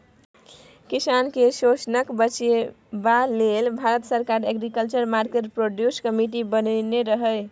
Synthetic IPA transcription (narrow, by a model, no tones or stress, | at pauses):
kisankesosnəkbət͡ʃe | balelbʱaɾət̪səɾkaɾeɡɾikəlt͡ʃəɾmaɾkeʈpɾoɖjuskəmiʈibənneɾəɦəj